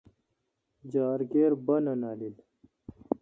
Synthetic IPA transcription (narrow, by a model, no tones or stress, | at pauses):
d͡ʑaːɾɡeːɾbɐnɐnaːlil